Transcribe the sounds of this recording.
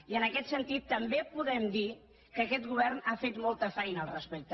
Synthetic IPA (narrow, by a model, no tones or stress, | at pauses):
iənəkɛt̪sənt̪it̪ːəmbepuðɛmd̪i | kəkɛt̪ɣuβ̞ɛrnafet̪mɔlˠt̪əfɛjnəːlˠrəspek̚t̪ə